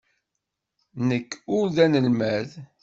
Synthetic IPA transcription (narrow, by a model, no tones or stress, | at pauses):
nəkːʊɾðænəlmæð